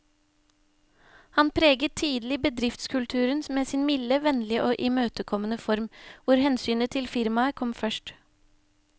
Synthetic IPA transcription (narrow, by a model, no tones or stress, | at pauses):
hɑnpʰɾeːɡətt̪ʰiːd̪l̩ɪbəd̪ɾɪft̪skʰʉlt̪ʰʉːɾənsmeːsiːnmɪləʋɛnlɪəʔoːʔɪmøːt̪əkʰɔmənəfɔɾmʋʊɾhɛnsyːnət̪ʰɪlfɪɾmɑəkʰɔmfœʃʈ